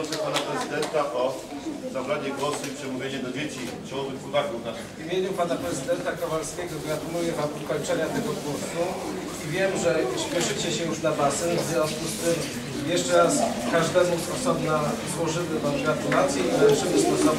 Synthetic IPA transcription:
sɛpanapɾɛzɨd̪ɛnt̪aʔɔ | zabɾaɲɛɡwɔsuipʂɛmuvʲjed͡ʑɛd̪ɔd͡ʑet͡ɕit͡ʃɛwɔvɨxpɔvakufna | vʲimʲjeɲupanapɾɛzɨd̪ɛnt̪akavalskʲɛɡɔɡɾat̪umujɛvamvɨkɔɲt͡ʂɛɲat̪ɛɡɔɡwɔsu | ivʲjɛmʐɛɕpʲjɛʂɘt͡ɕɛɕɛjuʐnabasɛnvzvʲjɔ̃nskust̪ɘm | jɛʂt͡ʂɛɾaskaʐd̪amusɔsɔbnazwɔʐɘvɘvamɡat̪ulat̪sʲjiizaʂɛmust̪ɔsɔ

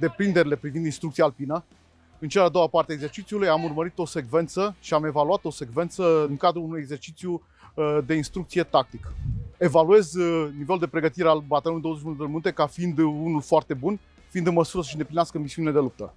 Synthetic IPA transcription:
d̪e̞pɾind̪e̞ɾile̞pɾivind̪inst̪ɾuk̚t̪sialpinə | ɨnt͡ʃealad̪owapart̪eaeɡze̞rt͡ʃit̪siulujamurməɾit̪o̞se̞ɡve̞nt̪səʃiame̞valuat̪o̞se̞ɡve̞nt̪səɨŋkad̪ɾuunujeɡze̞rt͡ʃit̪sju | d̪e̞inst̪ɾuk̚t̪sije̞t̪ak̚t̪ike̞value̞zniveluld̪e̞pɾe̞ɡət̪iɾealbat̪alonujd̪ozeʃminueminut̪e̞kafiind̪unulfoart̪e̞bun | fiːnd̪ɨnməsuɾəs̬əʃind̪eplinaskəmisiuniled̪elup̚t̪ə

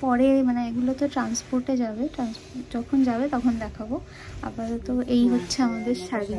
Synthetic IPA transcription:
pɔɾemaneeɡulot̪oʈɾanspoɾʈed͡ʑabeʈɾanspod͡ʑɔkʰond͡ʑabet̪ɔkʰond̪ɛkʰabo | a̰baɾot̪oʔejɦotːɕʰeamad̪eɾʃabi

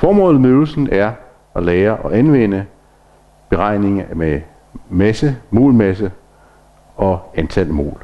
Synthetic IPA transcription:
fɒːmɔ̽ːlð̩ˠmøːl̩sn̩æɐ | ɒleːɐʔɒ̽ʔænʋen̰ə | b̥e̝ʁɑ̈ɪ̰ne̝ŋme | mæsəmo̝̰ːlmæsə | ɒ̽ænt͡sʰæl̰mo̝̰ːl

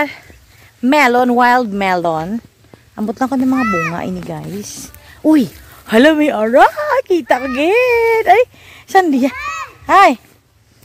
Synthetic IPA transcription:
mɛlonwajld̪̚mɛlon | ʔɐmbot̪lɐŋkonɐŋmɐŋabuːŋɐ̰ʔɐ̰jniɡajsʔʊj | hɐlɐmjʔaɾakiːt̪ɐkoɡɪt̪ɐj | sɐnd̪ɪjahaj

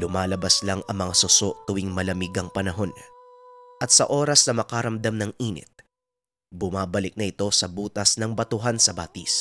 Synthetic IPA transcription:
lʊmaːlɐbaslaŋɐŋmɐŋasʊso̞ʔt̪ʊwiŋmɐlɐmiɡɐŋpɐnɐɦo̞n | ʔɐt̪̚sɐʔo̞ːɾɐsnɐmɐkɐɾɐmd̪amnɐŋʔiːnɪ̰t̪̚ | bʊmaːbɐlɪk̚nɐʔɪt̪o̞sɐbuːt̪ɐsnɐŋbɐt̪ʊɦansɐbaːt̪is

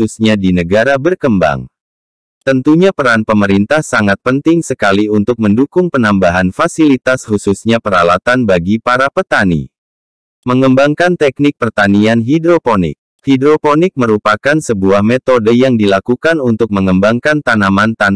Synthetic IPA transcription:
usɲadinəɡaɾabərkəmba̰ŋ | t̪ənt̪uɲapəɾanpəməɾint̪ahsaŋat̪̚pənt̪ɪŋsəkaliunt̪ʊk̚məndukʊŋpənambaɦanfasilit̪ashususɲapəɾalat̪anbaɡipaɾapət̪anḭ | məŋəmbaŋkant̪ɛk̚nɪk̚pərt̪anianɦidɾoponɪ̰k̚ | hidɾoponɪk̚məɾupakansəbuahmet̪odəjaŋdilakukanunt̪ʊk̚məŋəmbaŋkant̪anamant̪an

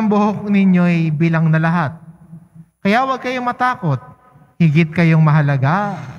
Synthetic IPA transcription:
ɐmbʊhok̚nɪɲo̞ʔɐjbiːlɐŋnɐlɐɦat̪̚ | kɐjaʔwɐɡ̚kɐjo̞mɐt̪aːko̞t̪̚ | hɪɡɪt̪̚kɐjo̞ŋmɐɦɐlɐɡa

